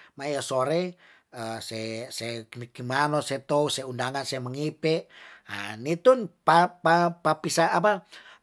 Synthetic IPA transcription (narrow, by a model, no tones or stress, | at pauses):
maiasoɾe | əseseknikimanosɛt̪ouseundaŋanseməŋipɛa̰nit̪unpapapapisaapa